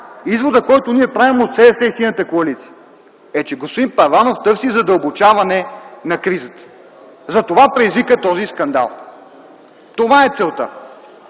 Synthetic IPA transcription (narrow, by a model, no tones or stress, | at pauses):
izvod̪əkɔjt̪oniɛpɾavimot̪sɛd̪ɛsɛisinət̪əkoɐlit̪si̥ə | ɛt͡ʃɛɡospod̪impɐvanoft̪ɤɾfsizɐd̪əlˠbot͡ʃavɐnɛnɐkɾizət̪ə̥ | zɐt̪ovapɾɛizvikət̪ɔziskɐnd̪a̰lˠ | t̪ovaɛt̪sɛlˠt̪ə̰